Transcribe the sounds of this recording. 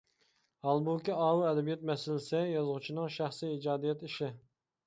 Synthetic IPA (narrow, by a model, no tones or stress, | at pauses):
hɑlˠbukʲiɑːwuɛd̪ɛbijɛt̪̚mɛsɪlɪsɛjɑzʁʊt͡ʃʰinɨŋʃæχsiːid͡ʒɑːd̪ijɛt̪iʃɪ